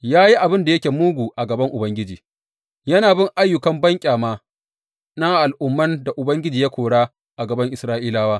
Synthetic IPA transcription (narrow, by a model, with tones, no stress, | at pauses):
jaː˦ji˦ʔa˨bɪ˦nda˨jɐ˦kʲeː˨muː˦ɡʷu˨ʔa˨ɡɐ˨bɐ˦ŋʔʊ˨bɐ˦ŋɡʲɪ˦d͡ʒiː˨ | jɐ˦naː˨bɪ˦ŋʔa˦jːʊ˨kɐ˦mbɐ˦ŋkʲʼaː˨maː˦ | na˦ʔa˨lʔʊ˦mːɐ˦nda˨ʔʊ˨bɐ˦ŋɡʲɪ˦d͡ʒiː˨ja˦kʷoː˨ɽaː˦ | ʔa˨ɡɐ˨bɐ˦ŋʔɪ˨sɾaː˦ʔiː˦laː˦waː˦